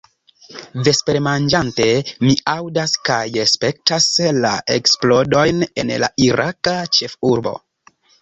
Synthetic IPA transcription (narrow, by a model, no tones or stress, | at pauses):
ve̞speɾmand͡ʒante̞miawdaskajɾespe̞k̚tasla̰ʔe̞̰ksplo̞do̞jne̞̰nla̰ʔiɾakat͡ʃe̞fuɾbo̞̰